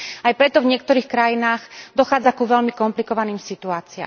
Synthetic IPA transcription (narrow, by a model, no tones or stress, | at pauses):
ajpɾɛt̪ɔvɲɪɛkt̪ɔɾiːxkɾajinaːɣd̪ɔxaːd͡zakuʋɛʎmikɔmplikɔʋaniːmsit̪uaːt͡sia̰